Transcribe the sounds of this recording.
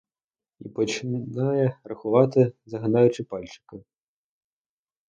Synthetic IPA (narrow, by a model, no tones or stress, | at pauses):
ḭpɐt͡ʃɪnajɛrɐxʊʋɑt̪ɪzɐɦɐnajʊt͡ʃɪpalʲt͡ʃɪ̥kɐ